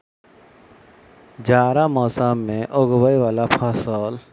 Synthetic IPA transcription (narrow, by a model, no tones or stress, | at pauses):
d͡ʒaːɾamɔːsaːmːẽʔoɡwəiʋaːlapʰaːsaːl